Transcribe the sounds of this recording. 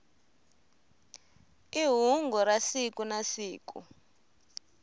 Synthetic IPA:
iɦuŋɡɔɾasikunasiːkṵ

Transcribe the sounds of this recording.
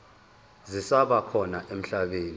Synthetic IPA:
zisaɓakʰɔnaʔem̩ɬaɓeːni

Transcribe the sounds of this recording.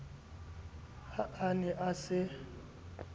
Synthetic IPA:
haʔanɛʔasɪ

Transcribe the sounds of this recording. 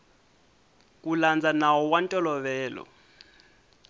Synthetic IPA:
kuland͡zanawɔwantʼɔlɔβɛːlɔ̰

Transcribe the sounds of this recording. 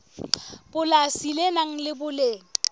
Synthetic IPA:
b̥ʊlasilenaŋ̩lɪbʊleːŋ̩

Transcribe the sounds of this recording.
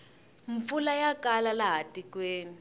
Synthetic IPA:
ɱp̪fulajakalalaɦatikweːni

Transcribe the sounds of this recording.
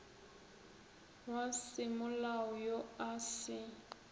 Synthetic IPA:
wasɪmʊlaɔjoasɪ

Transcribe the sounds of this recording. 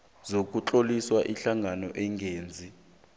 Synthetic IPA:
zok̬ʼut͡ɬoliswaʔiɬaŋʱanɔʔɛŋɡʱeːnd͡zʱi

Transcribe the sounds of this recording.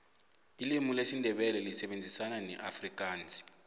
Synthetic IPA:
ilimulesindʱɛɓɛlɛlisɛɓend͡zʱisananɛʔafrik̬ʼaːnt͡si̥

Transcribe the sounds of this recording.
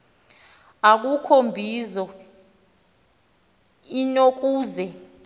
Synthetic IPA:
ak̬ʼukʰombʱizɔ | inok̬ʼuːzɛ

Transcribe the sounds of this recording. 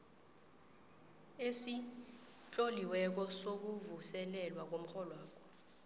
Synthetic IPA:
esi | t͡ʃʼoliwɛk̬ɔsok̬uvusɛlɛlwak̬om̩xɔlɔwaːkʰɔ̥

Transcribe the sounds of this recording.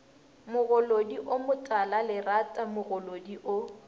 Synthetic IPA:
mʊɣʊlodiʔomʊtʼalalɪratʼamʊɣʊlodiʔʊ

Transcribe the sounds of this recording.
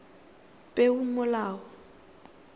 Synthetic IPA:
pʼeʊmʊlaːɔ

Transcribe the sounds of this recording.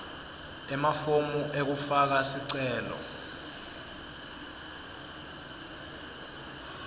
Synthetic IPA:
ɛmafomuʔek̬ufak̬asiǀɛːlɔ̰

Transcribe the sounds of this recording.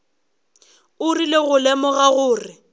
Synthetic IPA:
ʊrileɣʊlɛmɔɣaɣʊːrɪ

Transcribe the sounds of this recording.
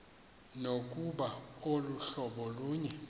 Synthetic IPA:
nokʼuɓaoluɬɔɓɔluːɲɛ

